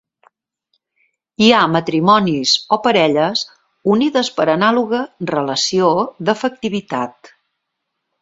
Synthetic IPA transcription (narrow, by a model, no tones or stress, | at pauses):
iamət̪ɾimɔnizopəɾɛʎəs | uniðəspəɾənaluɣərələsioðəfək̚t̪iβ̞it̪at̪